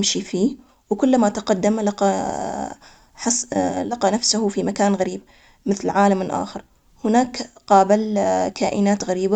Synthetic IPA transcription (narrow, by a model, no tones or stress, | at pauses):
mʃifiː | wkʊlːmat̪aqad̪ːamlɑqɑ | ħɑlɑqɑnafsʊhʊfimakaːnɣaɾiːb̚ | mɪθlʕaːlamɪlʔa̰ːxɪɾˤ | hɪnaːkqɑːbɪlkʰaːʔɪnaːt̪ɣaɾiːba